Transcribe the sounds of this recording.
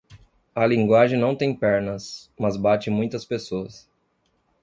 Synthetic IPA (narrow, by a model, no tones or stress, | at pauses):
ɐlĩŋɡwaʒẽj̃nɐ̃w̃t̪ẽj̃pɛɾnɐsmɐzbat͡ʃɪmũj̃t̪ɐspesoɐs